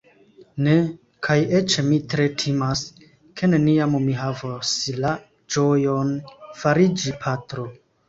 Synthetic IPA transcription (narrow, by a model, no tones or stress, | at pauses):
ne̞ | kʰaje̞t͡ʃmitɾe̞tʰimas | kʰe̞ne̞niammiɦavosla | d͡ʒo̞jonfaɾid͡ʒipʰatɾo̞